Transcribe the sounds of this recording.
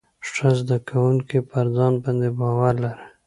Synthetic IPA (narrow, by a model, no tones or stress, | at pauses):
ʂazd̪akʰawuŋkipəɾzɑnbɑnd̪ebɑwaɾlaɾə